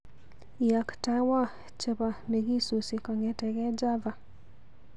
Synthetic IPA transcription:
ja˨kta˨wa˦ | t͡ʃə˦ba˨me˨ɡi˦su˨si˨kɔ˨ŋɛ˨tɛ˨ɡɛ˦d͡ʒa˦va˨

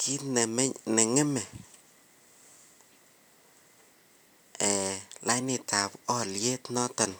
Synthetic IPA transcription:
kʰi˦tnɛ˨m˦nɛ˨ŋɛ˦mɛ˨ | ɛ˨la˦jnɪ˨ta˨pɔ˦lje˦tnɔ˦tɛ˨n

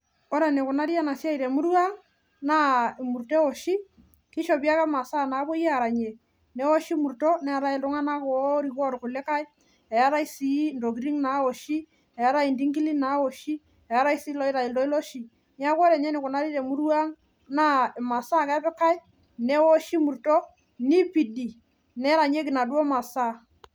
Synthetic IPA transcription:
o˦ɾe˨ne˨kʊ˨na˦ɾi˦a˦na˨sja˦i˨ɾe˨mu˦ɾu˦a˦ŋ | na˦e˨mu˨ɾte˦o˨ʃi˦ | ki˦ʃo˨bi˦a˦kɛ˦ma˨sa˦˨na˨˦bo˦jɛ˦a˨ɾa˨ɲe˨ | ne˦wo˦ʃi˦mu˨ɾto˦nɛ˦a˨ɾa˨i˨ltʊ˦ŋa˦na˦ko˨˦ɾi˨kɔ˦ɾkʊ˨le˦ka˦i˦ | ɛ˨a˦ɾa˦i˦si˨˦ndo˨ɡɾi˦ŋna˨˦o˨ʃi˦ | ɛ˨a˦ɾa˦i˨ndi˦ŋki˦li˦na˨˦o˨ʃi˦ | ɛ˨a˦ɾa˦i˦si˦lɔ˦ɪ˦ɾa˨i˨ldɔ˦i˦lo˦ʃi˨ | ni˦a˦kɔ˦ɾɛ˨ɲɛ˦nɪ˨kʊ˨na˦ɾi˦te˨mu˦ɾu˦a˦ŋ | na˦˨ma˨sa˦kɛ˦pɛ˦ka˦j | nɛ˦wo˦ʃi˦mu˨ɾtɔ˦ | ni˦pi˨di˨ | nɛ˦ɾa˨ɲe˦kɪ˨na˨dwo˦ma˨sa˦˨

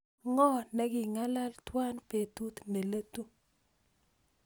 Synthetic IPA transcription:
ŋɔ˦nɛ˦ɡɪ˨ŋa˦la˦lt̪wa˦npe˨t̪u˦t̪me˨le˦t̪u˦

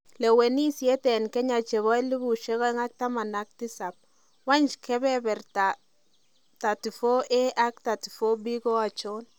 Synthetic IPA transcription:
lɛ˨we˨ni˦sjɛ˦tɛ˨nkɛ˦ɲa˨t͡ʃe˨βɔ˦i˦li˦bu˨ʃɛ˦kɔ˦ɛ˦ŋa˦k̚ta˦ma˨na˦k̚ti˦sa˨p̚ | wa˦nt͡ʃkʰɛ˦bɛ˦bɛ˨rta˨ | ta˨ti˨fo˦ʔɛ˦ʔa˦k̚ta˨ti˨fo˦bi˦ko˦a˨t͡ʃɔ˦n

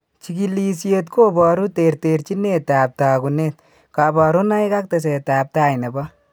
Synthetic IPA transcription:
t͡ʃi˨ki˦li˨sje˧tkoː˦bɔ˨ɾu˦te˨ɾte˨ɾt͡ʃi˦ne˦taː˨p̚taː˨ku˨ne˦t̚ | ka˨bɔ˨ɾu˦na˦i˦ka˦k̚te˨s̬e˨taː˨p̚ta˦jnɛ˨bɔ˦

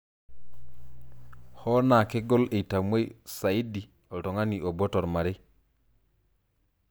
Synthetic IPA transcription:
ho˦na˨ke˦ɡo˦le˨ta˨mwe˦jsa˨i˦di˨ | o˨to˨ŋa˦ni˨o˨bo˦to˨ɾma˨ɾe˦

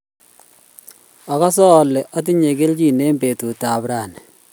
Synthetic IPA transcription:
a˨ka˦sɔ˦˨lɛ˨ʔɔ˦t̬i˦ɲe˨ke˦lt͡ʃi˦˨ne˦mbe˨tu˨ta˨bɾa˨n˨

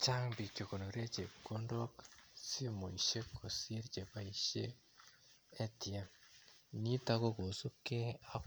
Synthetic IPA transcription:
t͡ʃa˦mbi˨co˨ko˨no˨ɾe˦ce˨ko˦ndoksi˦mo˨iʃe˦kʰo˨si˦ɾɟe˨βa˨i˨ʃe˦ | ti˨a˨ | ni˦ta˦ko˦ko˨zu˦ke˦a˦

